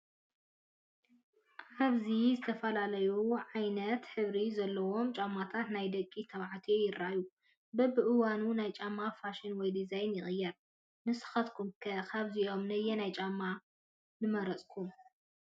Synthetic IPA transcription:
ʔaβzizɨt̪ʰɐfɐlalɐjuʕajnɐt̪ħɨβɾizɐlːɐwo̞mt͡ʃʼamːat̪ʰat̪najd̪ɐkʼːit̪ʰɐβʕat̪ʰijojɪɾːaʔju | bɐbɨʔɨwanunajt͡ʃʼamːafaʃinwɔjd̪izajnjɪχʼɨjːɐɾ | mɨsɨ̥xɐt̪kʰumkʰɐkʰaβziʔo̞mnɐjɛnajt͡ʃʼamːa | nɨmɐɾɐt͡sʼkʰum

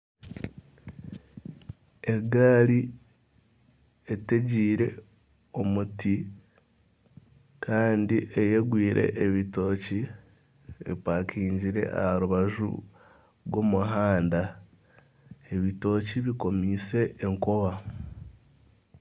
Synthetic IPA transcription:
e̞ɡaːli | ete̞ɟiːɾe̞̰ | o̞muti | kʰaːndiʔejeɡwiːɾʔe̞̰ʔːβito̞ːci | ḛpakʰiːɲɟiɾe̞̰ʔa̰haɾuβaʒṵ | ɾwo̞muɦaːnda | e̞βito̞ːciβiko̞miːse̞ːŋkoβa

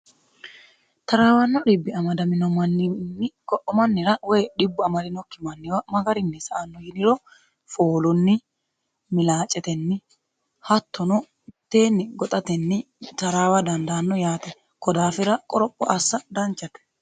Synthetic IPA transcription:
t̪ɐɾaːwɐnːɔᶑɪbːɪɐmɐd̪ɐmɪnɔmɐnːɪnːɪkɔʔːɔmɐnːɪɾɐwɔjɗɪbːʊɐmɐlɪnɔkːɪmɐnːɪwɐmɐɡɐɾɪnːɪsɐʔɐnːɔjɪnɪɾɔ | foːlʊnːɪ | mɪlaːt͡ʃʼːɛt̪ɛnːɪ | hɐt̪ːɔnɔ | ɪt̪ːe̞ːnːɪɡɔt̪ʼɐt̪ɛnːɪ | t̪ɐɾaːwɐd̪ɐnd̪aːnːɔjaːt̪ɛ | kɔd̪aːfɪɾɐkʼɔɾɔpʼːɔʔɐsːɐd̪ɐnt͡ʃːɐt̪ɛ̥

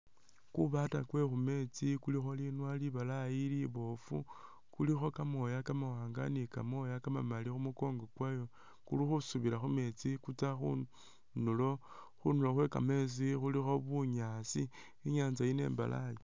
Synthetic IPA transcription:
kuβatakwe̞xume̞t͡sikulixo̞linwaliβalajiliβo̞fu | kulixo̞kamo̞jakamawaːŋɡa̰nikamo̞jakamamalixumuko̞ŋɡokwajo̞ | kuluxusuβilaxume̞t͡sikut͡saxṵ | nulo̞ | xunuloxwe̞ka̰me̞s̬ixulixo̞βuɲasi | iɲaːnzajine̞̰ːmba̰la̰ji

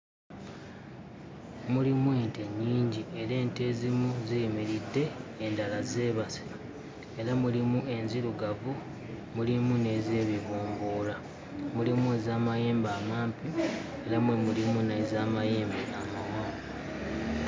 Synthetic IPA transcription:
mulimwinte̞ɲːiːɲɟie̞ɾe̞ːnte̞ːzimuzijmiɾidːe̞ːndalaze̞ːβasi̥a | eɾamulimue̞nziɾuɡavu | mulimune̞ːze̞ːβiβuːmbuːla | mulimuezaːmaje̞ːmbaːmaːmpie̞lamwemulimunaizaːmaje̞ːmbeʔamawa

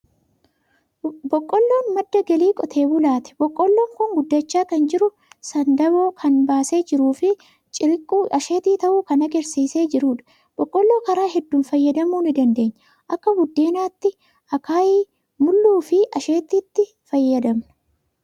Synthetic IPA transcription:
bɔkʼːɔlːo̞ːnmɐd̪ːɐɡɐliːkʼɔt̪ʰe̞ːbʊlaːt̪ɛ̥bɔkʼːɔlːo̞ːŋkʊŋɡʊd̪ːɐt͡ʃːaːkɐnd͡ʒɪɾʊ | sɐnd̪ɐboːkʰɐnbaːse̞ːd͡ʒɪɾuːfɪ | t͡ʃʼɪɾɪkʼːuʔɐʃeːt̪iːt̪ɐʔuːkɐnɐɡɛɾsiːse̞ːd͡ʒɪɾuːᶑɐ̥ | b̥ɔkʼːɔlːo̞ːkɐɾaːɦɛd̪ːuːnfɐjːɐd̪ɐmuːnɪd̪ɐnd̪e̞ːɲːɐ | ʔɐkːɐbʊd̪ːeːnaːt̪ːɪ | ʔɐkaːjiː | mʊlːuːfɪʔɐʃe̞ːt̪ːiːt̪ːɪ | fɐjːɐd̪ɐmnɐ̥

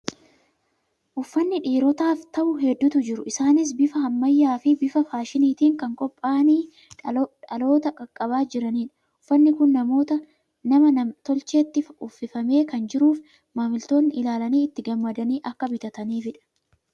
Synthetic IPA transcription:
ʔʊfːɐnːɪᶑiːɾɔt̪aːft̪ɐʔʊɦɛd̪ːʊt̪ʊd͡ʒɪɾʊʔɪsaːnɪs̬bɪfɐhɐmːɐjːaːfɪbɪfɐfaːʃɪniːt̪iːŋkɐŋkʼɔpʼːaːniː | ᶑɐlo̞ːt̪ɐkʼɐkʼːɐβaːd͡ʒɪɾɐniːᶑɐ̥ | ʊfːɐnːɪkʊnːɐmo̞ːt̪ɐ | nɐmɐnɐt̪ɔlt͡ʃe̞ːt̪ːɪfʊfːɪfɐme̞ːkɐnd͡ʒɪɾuːf | maːmɪlt̪o̞ːnːɪʔɪlaːlɐniːɪt̪ːɪɡɐmːɐd̪ɐniːʔɐkːɐbɪt̪ɐt̪ɐniːfɪᶑɐ̥

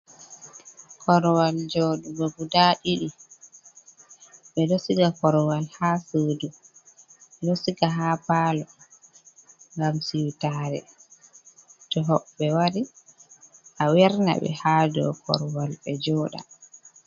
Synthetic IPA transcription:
kɔɾwald͡ʒɔɗubɔɡudaɗiɗi | ɓɛdosiɡakɔɾwalhaːsoːdu | ɓɛlosiɡaɦapaːlɔ | ŋɡamsiwtaːɾɛ̰ | tɔɦɔbɛwaɾi | ʔawɛɾna̰ɓɛ̰haːdɔ̰kɔ̰ɾwalɓɛd͡ʒɔːɗa̰

